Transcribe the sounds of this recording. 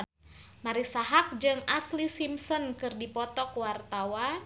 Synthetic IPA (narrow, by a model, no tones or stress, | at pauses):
maɾisaɦak̚d͡ʒɨŋaslisimsɔnkɨrdipɔt̪ɔkwart̪awa